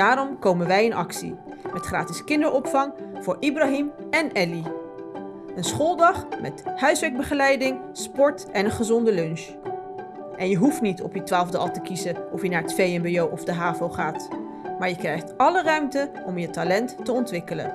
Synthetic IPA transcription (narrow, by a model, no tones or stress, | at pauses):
aːɾɔmkowmənʋɛjənʔɑ̰ksḭ | mɛtχraːtiskɪndəɹʔɔpfɑŋv̥ʊːɹʔibraɦimɛnɛli | ənsχoːlˠdɑχmɛ̰thœɥsʋɛɡ̚bəχəlɛjdɪŋ | spɔɹtɛnənχəzɔndəlɵnʃ | ʔɛnjəɦuftnitɔ̰pjətʋaːlˠvdəɑlˠtəkizəʔɔfjənaːɹətfejɛmbejowʔɔvdəɦaːvowχaːt | maːɹjəkrɛjχtɑlərœɥmtəʔɔmjətalɛntːəɔntʋɪkələ̰n